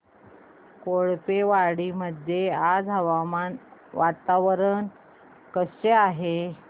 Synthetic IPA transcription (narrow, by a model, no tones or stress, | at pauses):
koɭpeʋaɽiməd̪ʱjead͡zɦəʋamanʋat̪aʋɾən | kəseaɦe